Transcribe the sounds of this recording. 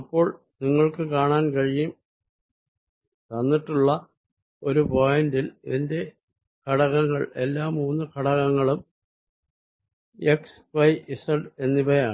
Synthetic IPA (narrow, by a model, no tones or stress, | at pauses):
ɐpːo̞ːɭ | niŋːɐɭkɨkaːɳaːnkɐɻijum | t̪ɐnːiʈːuɭːɐ | o̞ɾupojɐndilende̞ | kɐɽɐɣɐŋːɐɭe̞lːaːmːuːnːɨkɐɽɐɣɐŋːɐɭum | eks | fɐjisɐɖe̞nːibɐjaːɳɨ